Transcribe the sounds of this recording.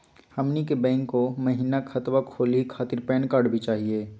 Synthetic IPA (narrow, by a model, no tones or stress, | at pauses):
hɐmnikebɛ̃ːŋkːomɐɦiːnakʰət̪wakʰoːlikʰaːt̪ɪɾpɛːnkaːɾɖbʱit͡ʃaːɦieː